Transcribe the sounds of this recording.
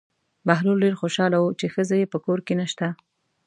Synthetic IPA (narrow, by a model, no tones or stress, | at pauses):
baɦlulɖeɾxoʃɑlawut͡ʃexəzajepəkoɾkenəʃt̪a